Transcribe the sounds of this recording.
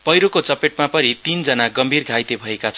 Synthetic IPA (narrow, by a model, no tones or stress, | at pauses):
pʌjɾokot͡sʌpeʈ̚mapʌnit̪ind͡zʌnaɡʌmbʱirɡʱajt̪ebʱʌekat͡sʰʌ